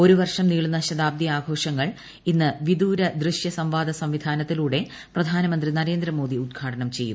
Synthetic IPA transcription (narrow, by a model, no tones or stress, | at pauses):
o̞ɾuʋɐrʂɐmniːɭunːɐɕɐd̪aːb̚d̪iaːɡʱo̞ːʂɐŋːɐɭ | inːɨʋid̪uːɾɐd̪rɨʂjɐsɐmʋaːd̪ʱɐsɐmʋid̪ʱaːnɐt̪ːiluːɽe̞ | prɐd̪ʱaːnɐmɐnd̪rinɐɾe̞ːnd̪ɾɐmo̞ːd̪iud̪̚ɡʱaːʈɐnɐmt͡ɕe̞jːṵm